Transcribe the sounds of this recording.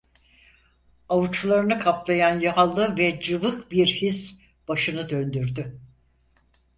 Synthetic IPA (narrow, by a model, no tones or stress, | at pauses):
avut͡ʃʰlˠaɾɯnɯkʰaplˠajanjaɦalˠːɯvɛd͡ʒɯvɯkbiɾhis | b̥aʃɯnɯd̪ø̞nd̪yɾd̪y